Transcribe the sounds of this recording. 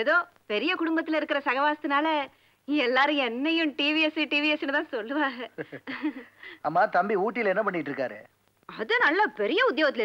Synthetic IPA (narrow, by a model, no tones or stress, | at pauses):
ɛðoː | pɛɾɪjɐkʊɽʊmbɐt̪ːɪlɐɪɾɯkːɯɾɐsɐɣɐʋaːst̪ɯnaːlɐ | ɛlːaːɾɯ̃ɛnːɐjʊ̃ʈiːʋiɛsiʈiːʋiɛsnɯt̪ãːsɔlːɯʋaːɣɐ | aːmːaːt̪ɐmbiuːʈːɪlɛnːɐpɐɳːɪʈːɾɯkːa̰ːɾḛ | ɐðɯnɐlːaːpɛɾɪjɐʊd̪joːɣɐt̪ːɪlɐɪ